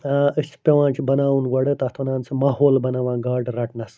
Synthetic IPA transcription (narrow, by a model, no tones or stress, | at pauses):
ɨsʲpeʋãːnt͡ʃʰibɐnaːwunɡɐɽɐt̪ɐt̪ʰɐnaːnt͡sʰɨmaːɦoːlbɐnaʋãːɡaːɖɾɐʈnɐs